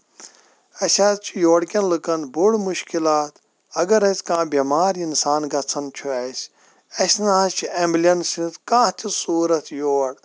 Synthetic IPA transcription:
ɐsʲaːt̪t͡ʃʰijoːɽkʲɐnlɨkɐnbuɽmuʃkilaːt̪ | ɐɡɐɾɐsʲkãːbʲimaːɾinsaːnɡɐt͡sʰɐnt͡ʃʰuɐsʲ | ɐsʲnaːt͡ʃʰiemblɐnsit̪kãːt̪ʲʰisuːɾɐt̪ʰjoːɽ

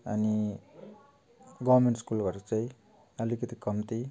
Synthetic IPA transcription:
ʌ̰ni | ɡʌβrmeɳʈskulbʌɾut͡saĩ | ʌlikʌt̪ikʌmt̪i

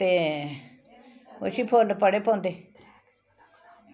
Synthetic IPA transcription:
t̪e | o̰sipʰoːlpəɽepʰõːnd̪e

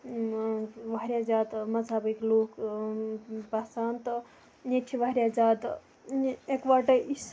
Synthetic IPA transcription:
ʋaɦɾʲjad͡ʒaːd̪mɐd͡zʱabiklok | pasaːnt̪ | neʈʰiʋaɦɾʲjad͡ʒad̪ | ekʋaʈəʔis

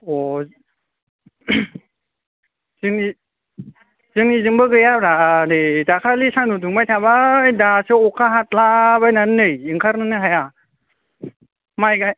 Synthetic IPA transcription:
ɔ | zɯŋi | zɯŋizɯŋbɯɡɯjabɾanɯzakʰalisanuduŋmajtʰaβajdasɯɔkʰaɦat̚laβajnanːɯjɯŋkʰaɾnɯnɯɦaja | majɡaj

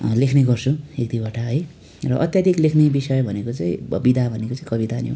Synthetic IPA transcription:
lekʰneɡʌrt͡sʰuek̚d̪ibaʈaɦʌj | rʌ̰ʔʌt̪jad̪ʱiklekʰnebisʌjbʱʌnekot͡saĩbid̪ʱabʱʌnekot͡saĩkʌbit̪anjo̰

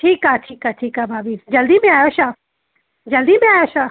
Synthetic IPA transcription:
ʈʰiːkaʈʰiːkaʈʰiːkaːbʱaːbiːd͡ʒɐld̪imẽaːjoʃaː | d͡ʒɐld̪imẽaːjoʃaː

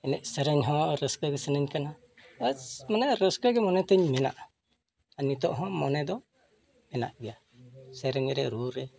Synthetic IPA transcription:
ɛnɛʔ̚səɾəɲɦɔ̃ɾəskəɡɛsənəɲkana | amanaɾəskəɡɛmɔnɛt̪ɛɲmɛna̰ʔ | anit̪ɔʔɦɔ̃mɔnɛd̪ɔ | mɛna̰ʔɡɛja | sɛɾɛɲɾɛɾuɾɛ

